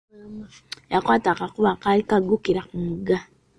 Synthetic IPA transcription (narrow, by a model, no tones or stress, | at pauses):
jakwaːtakakuβakalikaɡukiɾakumuɡa